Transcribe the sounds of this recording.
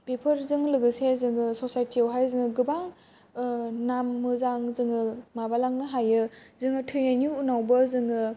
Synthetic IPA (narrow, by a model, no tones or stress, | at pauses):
pepʰɐɾzɯŋlɯɡɯsezɯŋɯsɔsajtiawɦajzɯŋɯɡɯbaŋ | namːɯzaŋzɯŋɯmabalaŋnɯɦajɯzɯŋɯtʰɯjnajnuunawbɐzɯŋɯ